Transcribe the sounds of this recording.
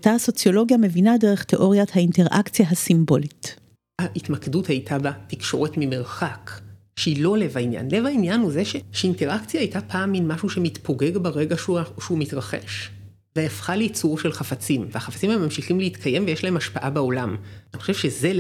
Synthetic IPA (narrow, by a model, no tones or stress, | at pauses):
t̪ahaso̞t͡sjo̞lo̞ɡjame̞vinadeʁeχteʔo̞ʁjathainteʁʔa̰kt͡sjaɦasimbo̞lit | aʔitmakeduthajtʰabatikʃo̞̰ʁetmime̞ʁχak | ʃeilo̞levainja̰nle̞vainjanhuzeʃeʃeinte̞ʁakt͡sjaːjtapʰaːmːinmaʃuʃemitpo̞ɡe̞ɡbaʁeɡaʃuaʃeumitʁaχḛʃ | veafχaliit͡suʁʃelχafat͡simvehaχafat͡simhaemamʃiχimleitkʰaje̞mvejeʃlaɦe̞maʃpaʔabao̞lamnixχoʃevʃeze